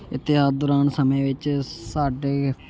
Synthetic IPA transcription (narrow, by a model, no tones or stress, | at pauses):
ɪt̪ːɪɦaːd̪ʊɾaːnsəmẽːʋɪt͡ʃsaːɖeː